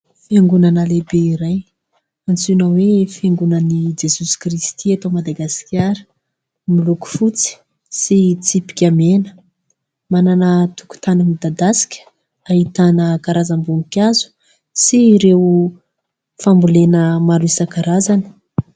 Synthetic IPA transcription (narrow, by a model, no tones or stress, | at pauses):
feŋɡunanəlebeiɾaj | ant͡sunəwefeŋɡunənid͡ʒesusi̥krist̪ʰiat̪omad̪aɡasi̥kʲaɾə̥ | miluku̥fut͡si̥ | sit͡sipi̥kʲamenə̥ | mananət̪u̥ku̥t̪anəmid̪ad̪asi̥kʲə̥ | aɦit̪anəkaɾazambuŋikʲazu̥ | siɾew | fambulenəmaɾuisəkaɾazanə̥